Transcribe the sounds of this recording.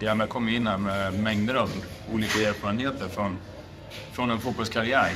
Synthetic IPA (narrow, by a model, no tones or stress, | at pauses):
d̪ɛmɛkʰɔmːjɪnːanmɛmɛŋd̪əɾɑvṵːliːkaeːlfɑːɾənheːt̪əɾfɾɔn | fɾɔnɛnfuːt̪̚bɔlskʰaɾɪæːɾ